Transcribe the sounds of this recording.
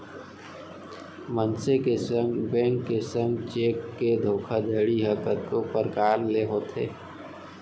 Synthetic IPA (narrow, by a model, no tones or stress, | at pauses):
mənsekesə̃ŋɡbɛ̃ːŋkːesə̃ŋɡt͡ʃeːkːed̪ʱoːkʰad̪ʱəɽiɦəkət̪̚kopəɾkaːɾleɦoːt̪ʰḛː